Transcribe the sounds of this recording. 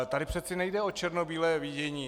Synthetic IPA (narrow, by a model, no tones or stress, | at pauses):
t̪adɪpr̥ɛt̪sɪnɛjdɛo̞t͡ʃɛɾnobiːlɛːviːɟɛɲiː